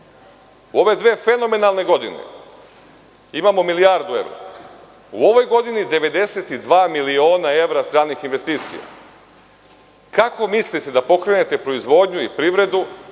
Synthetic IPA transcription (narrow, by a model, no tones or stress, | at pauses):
uo̞ʋe̞d̪ʋeːfe̞no̞me̞nalˠne̞ɡo̞d̪ḭne̞̰ | imaːmo̞milijaɾd̪ue̞̰ʋɾo̰ | uo̞ʋo̞jɡo̞d̪inid̪e̞ʋe̞d̪e̞set̪id̪ʋaːmilio̞ːnae̞ʋɾast̪ɾaːnixinʋe̞st̪iːt̪sḭja̰ | kako̞mislit̪e̞d̪apo̞kɾe̞net̪e̞pɾo̞izʋo̞ːd̪ɲuipɾiʋɾe̞d̪u